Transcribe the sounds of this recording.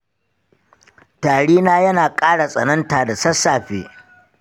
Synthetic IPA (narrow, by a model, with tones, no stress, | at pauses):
taː˨ɽiː˦naː˦jɐ˦naː˨kʼaː˦ɽa˨sʼɐ˨nɐ˦ntaː˨da˨sɐ˦sːaː˨ɸḛː˦